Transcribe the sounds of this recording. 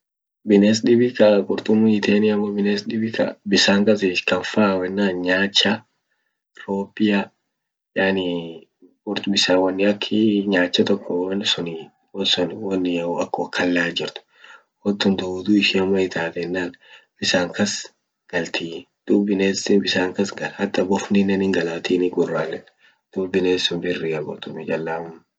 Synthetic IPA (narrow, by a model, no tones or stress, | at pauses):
bɪneːs̬ᶑɪbɪkɐkʼʊɾt̪ʼʊmːʊɪt̪ʰeːnɪɐmːɔbɪneːsɗɪbɪkɐ̰bɪsaːŋkɐs̬ɪʃkɐɱfaːwɛnːaːnɲaːt͡ʃːɐ | ɾoːpːɪjɐ | jaːnɪ | kʼʊɾt̪ʊbɪsaːwɐnːɪɐkʰːɪɲaːt͡ʃːɐt̪ɔkːɔwɐnːsʊni | wɔsʊnwɐnːɪjɐʊɐkːɔkʰːɐlːaːd͡ʒɪɾt̪ʊ̥ | wɔt̪ːʊnt̪ɐʊd̪uːɪʃɪɐmːɐɪt̪ʰaːt̪ɛnːaːnbɪsaːŋkɐs | ɡ̥ɐlt̪ʰi | d̪̥ubɪneːsɪbɪsaːŋkɐsɡɐlhɐt̪ːɐbɔfnɪnɐnɪŋɡɐlaːt̪iːnɪɡʊrːaːlːɛn | d̪̥uːbɪneːsʊnbɪrːɪɐɡɔ̰t̪ʊmɪd͡ʒɐlːaʊm